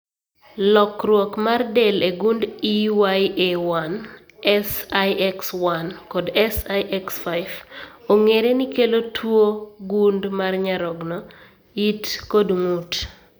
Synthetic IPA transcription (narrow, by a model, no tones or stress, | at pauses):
lɔkrwɔkmardeleɡundiwajʔewan | ɛsajɛkswankɔdɛsajʔɛksfajvoŋeɾenikelotʰwoɡundmarɲaɾɔɡnɔ | itkodŋut